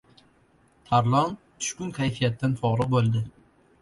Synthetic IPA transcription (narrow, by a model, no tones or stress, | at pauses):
t̪ʰaɾlˠɒn | t̪ʰʊ̥ʃkʊnkʲʰajfijat̪ːanfɒɾɒbolˠd̪ɪ